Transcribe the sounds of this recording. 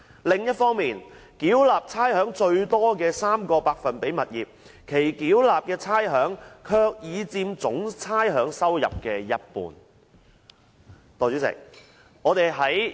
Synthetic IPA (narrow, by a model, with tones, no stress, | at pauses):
lɪ˨ŋjɐ˥t̚fɔː˥ŋmiː˨nkiː˨˥wlaː˨p̚t͡sʰaː˥jhœː˨˥ŋt͡ʃɵ˧ɥt̪ɔː˥kɛː˧saː˥mkɔː˧paː˧k̚fɐ˨npe˨˥jmɐ˨t̚jiː˨p̚ | kʰe˨˩jkiː˨˥wlaː˨p̚kɛː˧t͡sʰaː˥jɦœː˨˥ŋkʰœː˧k̚jiː˨˧t͡siː˧mt͡sʊ˨˥ŋt͡sʰaː˥jɦœː˨˥ŋsɐ˥wjɐ̰˨p̚kɛː˧jɐ˥t̚pṵː˨n | t̪ɔː˨t͡ʃy˨˥sɪ̰˨k̚ | ŋɔː˨˧t̪e˨jɦɐ˨˥j